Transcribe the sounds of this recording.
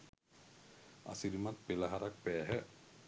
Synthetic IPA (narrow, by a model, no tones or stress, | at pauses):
a̰siɾimat̪̚pelaɦaɾak̚pɛːɦə